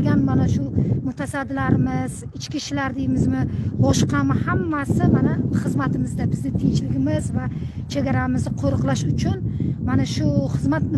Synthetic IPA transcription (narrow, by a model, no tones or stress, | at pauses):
ɡʲanmanaʃʊmʊt̪ʰasad̪ːɪlaɾɪmɪz | ɪt͡ʃkʲiʃlaɾd̪ejɪmɪzmɪbɒʃqʰɑmɪhamːasɪmanaχɨzmat̪ʰɪmɪzd̪abɪznɪt̪ʰɪŋt͡ʃʰlɪɡʲɪmɪzva | t͡ʃʰe̞ɡʲaɾamɪzd̪ɪqʰoɾɨqlˠaʃʊt͡ʃʰʊnmanaʃʊχɨzmat̪nɪ